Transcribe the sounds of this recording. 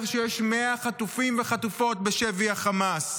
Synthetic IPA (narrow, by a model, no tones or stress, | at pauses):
ʁʃejeʃme̞aχatufimve̞χatufo̞t̚beʃeviaχamas